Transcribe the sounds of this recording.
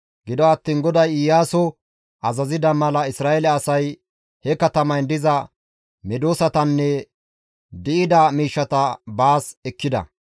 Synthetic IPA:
ɡɪd̪ɔɐt̪ːiːnɡɔd̪ɐjɪjːaːsɔ | ʔɐzɐzɪd̪ɐmɐlɐɪsɾaːɛlɛɐsɐj | hɛkɐt̪ɐmɐnd̪ɪzɐ | mɛd̪oːsɐt̪ɐnːɛ | d̪ɪʔɪd̪ɐmiːʃːɐt̪ɐbaːsɛkːɪd̪ɐ̰

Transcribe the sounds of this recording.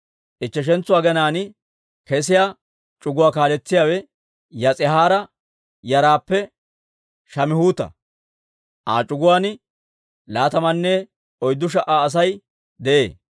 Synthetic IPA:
ʔɪt͡ʃːɛʃ̬ɛnt͡sːʊwaːɡɛnaːnɪ | kɛs̬ɪjaː | t͡ʃʼʊɡʊwaːkaːlɛt͡sːɪjaːwɛ | jɐt͡sʼɪɦaːɾɐ | jɐɾaːpːɛ | ʃɐmɪhuːt̪ɐ̰ | ʔa̰ːt͡ʃʼʊɡʊwaːnɪ | laːt̪ɐmɐnːɛ | ɔjd̪ːʊʃ̬ɐʔaːs̬ɐj | d̪ɛʔḛː

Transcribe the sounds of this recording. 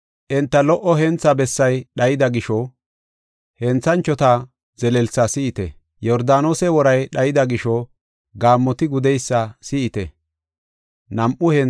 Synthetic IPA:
ʔɛnt̪ːɐlɔʔɔɦɛnt͡sːɐbɛsːɐjɗɐjɪd̪ɐɡɪʃɔ | hɛnt͡sːɐnt͡ʃːɔt̪ɐ | zɛlɛlsɐsɪʔɪt̪ɛ̰ | jɔɾd̪aːnoːsɛwɔɾɐjɗɐjɪd̪ɐɡɪʃɔ | ɡaːmːɔt̪ɪɡʊd̪ɛjsːɐsɪʔɪt̪ɛ̰ | nɐmʔʊhɛ

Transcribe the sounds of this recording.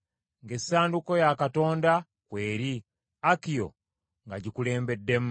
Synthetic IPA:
ŋɡe̞saːnduko̞jakato̞ːnda | kwe̞ːɾi | akijo̞̰ | ŋɡaɟikule̞ːmbe̞dːe̞m

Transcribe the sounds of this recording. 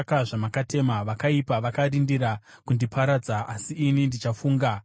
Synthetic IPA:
kaʐamakate̞maʋakaipaʋakaɾindiɾa | kundipʰaɾad͡zaasiːnindit͡ʃafuːŋɡa

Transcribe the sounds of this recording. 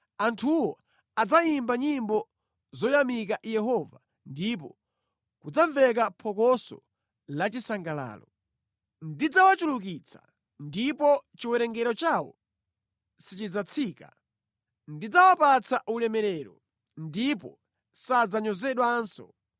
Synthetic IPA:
antʰuwɔ | ad͡zajimbaɲimbɔ | zɔjamik̬ajɛɦɔva | ndip̬ɔ | kud͡zaɱvɛk̬apʰɔkɔsɔ̰ | lat͡ʃisaŋɡala̰ːlɔ | ndid͡zawat͡ʃuluk̬it͡sʰḁ | ndipɔt͡ʃiwɛɾɛŋɡɛɾɔt͡ʃawɔ̰ | sit͡ʃid͡zat͡sʰiːka | ndid͡zawapat͡sʰaʔulɛmɛɾɛɾɔ | ndipɔ | sad͡zaɲɔzɛɗwansɔ̰

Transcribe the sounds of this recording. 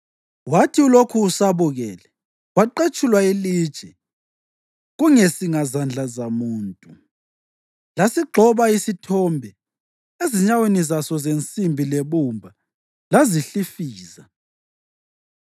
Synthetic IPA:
watʰiulokʰuːsaβuɣɛːlɛ | waǃet͡ʃʼulwailiːd̥ʒ̥ʱɛ | ɣuŋesiŋazand͡ɮʱazamuːntʼu | lasiɡ͡ǃʱɔβaisitʰɔmbʱɛ | eziɲawenizasɔzent͡sʼimbʱileβumbʱa | laziɬifiːza

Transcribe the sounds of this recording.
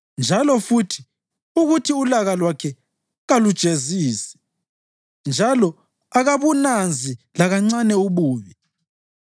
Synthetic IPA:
nd͡ʒʱalɔfutʰi̥ | uɣutʰiulaɣalwakʰɛ | ɣalud̥ʒ̥ʱeziːsɛ̥ | nd͡ʒʱalɔ | aɣaβunand͡zʱilaɣaŋ͡ǀanɛuβuːβi

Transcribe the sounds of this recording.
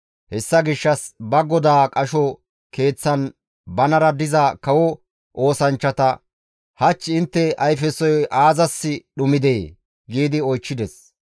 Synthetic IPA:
hɛsːɐɡɪʃːɐsbɐɡɔd̪aːkʼɐʃɔ | ke̞ːt͡sːɐn | bɐnɐɾɐd̪ɪzɐkɐwɔ | ʔo̞ːsɐnt͡ʃːɐt̪ɐ | hɐt͡ʃːɪnt̪ːɛɐjfɛsɔjaːzɐsːɪɗʊmɪd̪eː | ɡiːd̪ɪɔjt͡ʃːɪd̪ɛs

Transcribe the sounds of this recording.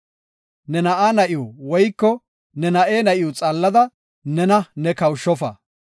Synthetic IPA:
nɛnɐʔaːnɐʔɪjuwɔjkːɔ | nɛnɐʔeːnɐʔɪjut͡sʼɐlːɐd̪ɐ | nɛnɐnɛkɐwʃːɔfɐ̰

